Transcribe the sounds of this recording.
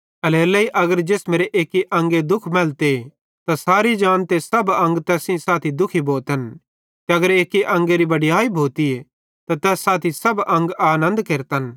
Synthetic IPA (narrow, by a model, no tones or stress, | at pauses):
ɐleːlɐiʔɐɡəɾd͡ʒeːsmeːɾeʔeːkiʔɐ̃ŋɡed̪ʊkʰmɛːlt̪e | t̪asaːɾid͡ʒãːnt̪esɐbɐ̃ŋɡt̪ɛːsĩsaːt̪ʰid̪ʊkʰiboːt̪ən | kiɐɡəɾeːkːiʔɐ̃ŋɡeɾibɐɽijaːibʱoːt̪ie | t̪at̪ɛːsːaːt̪ʰisɐbɐ̃ŋɡaːnə̃nd̪keːɾt̪ən